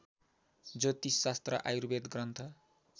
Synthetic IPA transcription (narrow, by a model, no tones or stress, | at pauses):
d͡zʌt̪isːast̪rʌ̰ʔa̰juɾbed̪ɡrʌnt̪ʰʌ